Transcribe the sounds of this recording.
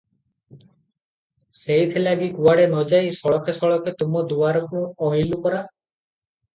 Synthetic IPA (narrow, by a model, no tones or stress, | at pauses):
sejt̪ʰilaɡikuaɽenɔd͡ʒajsɔɭɔkʰesɔɭɔkʰet̪umɔd̪uaɾɔkuɔɦilukɔɾa